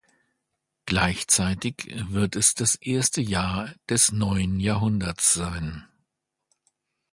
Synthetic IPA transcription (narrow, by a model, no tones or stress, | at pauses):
ɡ̥laɪçt͡saɪtɪçvɪɐtɛsd̥asʔeːɐstəjaːɐd̥ɛsnɔʏənjaːɐɦʊndɐt͡sz̥aɪn